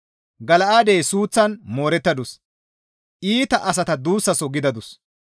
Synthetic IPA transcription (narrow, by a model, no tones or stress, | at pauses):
ɡɐlɐʔaːd̪ejsuːt͡sːɐnmoːɾɛt̪ːɐd̪ʊs | ʔiːt̪ɐʔɐsɐt̪ɐd̪uːsːɐsɔɡɪd̪ɐd̪ʊs